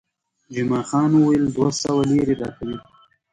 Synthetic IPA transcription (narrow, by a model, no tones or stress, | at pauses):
d͡ʒɪmɑːxɑːnuwajeld̪wasawaleɾed̪ɑːkʰawi